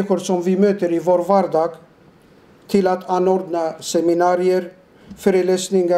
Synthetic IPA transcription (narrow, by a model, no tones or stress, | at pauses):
ɪɧʊɾsɔmvɪmøːt̪əɾɪvoːɾvæɾd̪ɑːɡ | t̪ʰɪlat̪ʰanːɔɾd̪nasɛmɪnɑːɾɪəɾ | fœːɾɛleːsnɪŋa